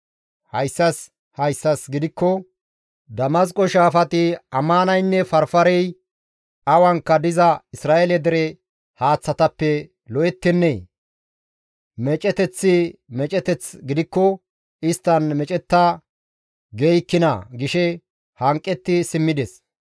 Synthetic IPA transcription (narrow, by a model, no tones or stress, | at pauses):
hɐjsːɐs | hɐjsːɐsɡɪd̪ɪkːɔ | d̪ɐmɐs̬kʼɔʃaːfɐt̪ɪɐmːanɐjnːɛfɐɾfɐɾɛj | ʔɐwɐŋkːɐd̪ɪzɐɪsɾaːʔɛlɛd̪ɛɾɛ | haːt͡sːɐt̪ɐpːɛ | lɔʔɛt̪ːɪnːɛ | mɛt͡ʃʼɛt̪ɛt͡sːɪmɛt͡ʃʼɛt̪ɛt͡sɡɪd̪ɪkːɔ | ɪst̪ːɐnmɛt͡ʃʼɛt̪ːɐ | ɡejkːɪnɐ̰ɡɪʃɛ | hɐŋkʼːɛt̪ːɪsɪmːɪd̪ɛs